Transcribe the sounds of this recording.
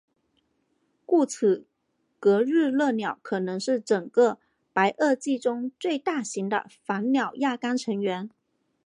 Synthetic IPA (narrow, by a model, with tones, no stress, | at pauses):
ku˥˩t͡s̩ʰ˨˩ | kɤ˧˥ɻ̩˥˧lɤ˥˩njɑ˨˩˦ʊkʰɤ˨˩nɤ˧˥ŋʂɻ̩˥˩ʈ͡ʂɤ˨˩ŋkə˥˧ | pa˧˥ɪʔə˥˧t͡ɕi˥˩ʈ͡ʂʊ˥ŋt͡swe˥˧ɪt̪a˥˩ɕi˧˥ŋd̪ə̰˧fa˧˥nnjɑ˨˩ʊja˥˩ka˥nʈ͡ʂʰɤ˧˥ŋɥɛ˧˥n